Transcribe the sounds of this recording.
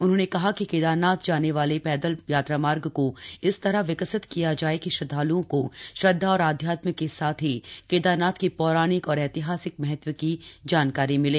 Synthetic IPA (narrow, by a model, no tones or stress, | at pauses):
ʊnɦõːnekɐɦakikeːd̪aːnaːt̪d͡ʒaːneʋaːlepɛːd̪əljaːt̪ɾaːmaːɾɡkoɪst̪ɐɾaɦʋɪkəsɪt̪kijad͡ʒaːekiʃɐd̪ʱːaːluõkoʃɐd̪ʱːaɔːɾaːd̪ʱjaːt̪məkːesaːt̪ʰɦikeːd̪aːnaːt̪kipɔːɾaːnɪkɔːɾɛːt̪ɪɦaːsɪkmɛɦɛt̪ʋəkid͡ʒaːnkaːɾimɪleː